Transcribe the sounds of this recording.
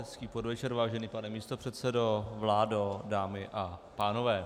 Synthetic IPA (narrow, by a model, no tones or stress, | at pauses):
skiːpo̞dvɛt͡ʃɛɾvaːʒɛniːpanɛmiːst̪o̞pr̝̥ɛt̪sɛdo̞vlaːdodaːmɪʔapaːno̞vɛː